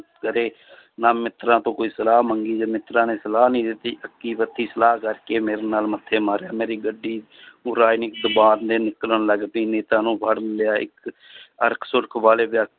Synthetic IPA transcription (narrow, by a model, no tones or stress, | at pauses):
t̪kəɾeː | naːmɪt̪ɾãːt̪õːkoːiːsəlaːməŋɡiːd͡ʒaːmɪt̪ɾãːneːsəlaːnĩːd̪ɪt̪ːiːʔəkːiːpət̪ʰːiːsəlaːkəɾkeːmeːɾeːnaːlmət̪ʰːeːmaːɾjaːmeːɾiːɡəɖːiː | ʊɾaːjiniɪkd̪əbaːɾd̪eːnɪkləɳləɡpiːneːt̪ãːnũːpʰəɽmɪlɪjaːɪ̰k | ə̰ɾkʰsʊɾəkʰʋaːleːbjaːk̚